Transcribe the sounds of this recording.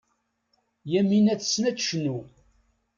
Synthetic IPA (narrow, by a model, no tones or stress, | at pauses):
jæminæt͡sːsːnæt͡sʃnu